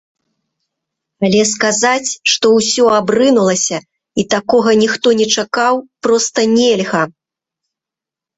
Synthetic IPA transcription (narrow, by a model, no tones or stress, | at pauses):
alʲɛskazat͡sʲʂt̪ɔwsʲɔabrɨnulˠɐsʲɐ | it̪akɔɣɐnʲixt̪ɔnʲɛt͡ʂakawpɾɔst̪ɐnʲɛlʲɣɐ